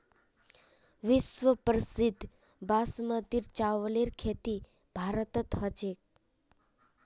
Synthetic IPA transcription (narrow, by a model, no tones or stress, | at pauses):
ʋɪsʋəpɾəsid̪ʱ | basməd̪iɾt͡ʃaʋleɾkʰet̪i | bʱaɾət̪ət̪hət͡ʃek̚